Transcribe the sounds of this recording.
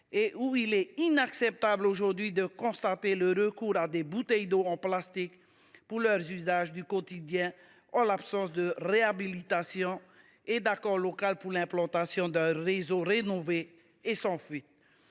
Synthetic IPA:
eʔuilɛinaksɛp̚t̪abloʒuʁd̪ɥid̪əkɔ̃st̪at̪eləʁəkuʁad̪ebut̪ɛjd̪oɑ̃plast̪ik | puʁlœʁzyzaʒd̪ykɔt̪id̪jɛ̃ | ɑ̃lapsɑ̃sd̪əʁeabilit̪asjɔ̃ | ed̪akɔʁlɔkalpuʁlɛ̃plɑ̃t̪asjɔ̃d̪ɛ̃ʁezoʁenoveː | sɑ̃fɥit̪

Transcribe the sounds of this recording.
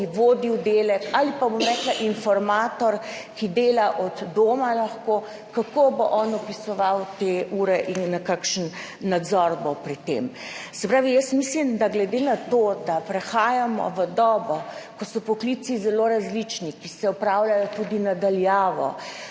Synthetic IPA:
iʋoːd̪iwd̪eːlɛkalipabomɾɛːklaʔinfɔɾmaːt̪ɔɾkid̪eːlaʔɔd̪ːoːmalaxko | kakoboʔɔnɔpisɔʋawt̪euːɾɛʔinːakakʃənː | ad̪zɔɾbɔwpɾit̪ːḛmsɛpɾaːʋijəsmislimd̪aɡlɛd̪enat̪od̪apɾɛxaːjamɔ̰ʋəd̪ɔːbɔkɔsɔpɔklisizɛloɾazlit͡ʃnikisɛɔpɾawlajɔt̪ud̪inad̪aljaːʋɔ̰

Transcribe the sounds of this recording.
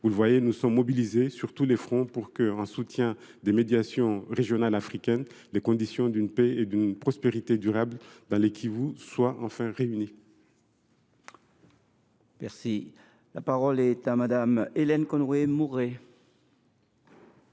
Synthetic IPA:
vuləvwajenusɔmːɔbilizesyʁt̪ulefχɔ̃puʁkəɑ̃sut̪jɛ̃ | d̪emed̪jasjɔ̃ʁeʒjɔnalafχikʲɛn | lekɔ̃d̪isjɔ̃d̪ynpeed̪ynpχɔspeʁit̪ed̪yʁabld̪ɑ̃lekʲʰivuswaʔɑ̃fɛ̃ʁeyni | mɛʁsi | lapaʁɔlɛt̪amad̪amelɛnkɔ̃nʁemuʁe

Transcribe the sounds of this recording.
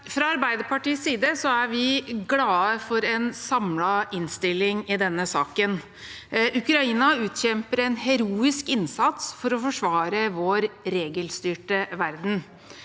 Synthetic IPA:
fɾɑɑɾbæɪd̪əpɑʈiːsːiːd̪əsɔæɾʋɪɡlɑːəfɔɾɛnsɑmlɑɪnst̪ɪlːɪŋɪd̪ɛnːəsɑːkən | ʉkɾɑiːnɑʉːt̪çɛmpəɾɛnɦɛɾuːɪskɪnsɑt̪sfɔɾɔfɔʂʋɑːɾəʋoːɾɾeːɡəlst̪yːʈəʋæɾd̪n̩

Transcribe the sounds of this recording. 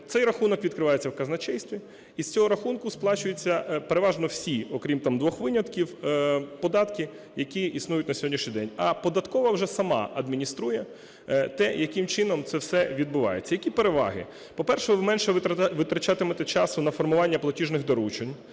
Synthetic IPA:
t̪sɛjɾɐxunɔkʋʲid̪̚kɾɪʋɑjet͡sʲːɐwkɐznɐt͡ʃɛjst̪ʋʲiː | sʲt͡sʲɔɦɔɾɐxunkʊsplˠɑt͡ʃʊjʊt͡sʲːɐpeɾeʋɑʒnɔwsʲiɔkɾʲimt̪ɑmd̪ʋɔxʋɪnʲɐt̪kʲiwpɔd̪ɑt̪kɪ | jɐkʲiisnujʊtʲnɐsʲɦɔdʲnʲiʃnʲijd̪ɛnʲɐpɔd̪ɐt̪kɔʋɐwʒɛsɐmɑ̰ɐd̪mʲinʲist̪ɾujɛ | t̪ɛjɐkɪmt͡ʃɪnɔmt̪sɛwsɛʋʲid̪bʊʋɑ̰jet͡sʲːɐjɐkʲipeɾeʋɑ̰ɦɪ̰ | pɔpɛrʃɛʋɪmɛnʃɛʋɪt̪ɾɐt͡ʃat̪ɪmɛt̪ɛt͡ʃɑsʊnɐfɔrmʊʋɑnʲːɐplˠɐtʲiʒnɪɣd̪ɐɾut͡ʃenʲ

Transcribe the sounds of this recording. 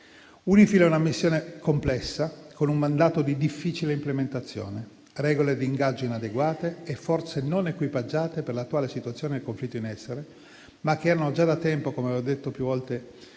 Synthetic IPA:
unifilɛunamisːjoːnekomplɛsːakonummand̪aːt̪od̪id̪ifːiːt͡ʃileimplement̪at̪sːjo̰ːne | rɛːɡoled̪iːŋɡad͡ʒːoinad̪eɡwaːt̪eːfːɔrt̪senonekwipad͡ʒːaːt̪eperlat̪ːwaːlesit̪uat̪sːjoːned̪elkoɱflit̪ːoinɛsːeɾe | makːeɛːɾanod͡ʒad̪at̪ːɛmpokomeɔd̪et̪ːopjuvɔlt̪e

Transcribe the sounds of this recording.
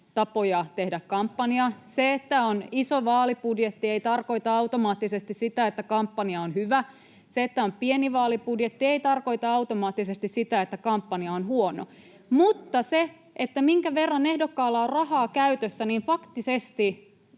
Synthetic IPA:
t̪ɑpojɑt̪ehdækkɑmpːɑniɑseet̪ːæonisoʋɑːlipudjet̪ːieit̪ɑrko̞it̪ɑɑut̪omɑːt̪ːisest̪issit̪æet̪ːækɑmpːɑniɑonhyʋæ | seet̪ːæompieniʋɑːlipudjet̪ːieijt̪ɑrko̞it̪ɑɑwt̪omɑːt̪ːisest̪issit̪æet̪ːækɑmpːɑniɑonhuono̰ | mut̪ːɑse | ʔet̪ːæmiŋkæʋerːɑnehdokːɑːlːɑorrɑhɑːkæyt̪øsːæniːnfɑkt̪isest̪i

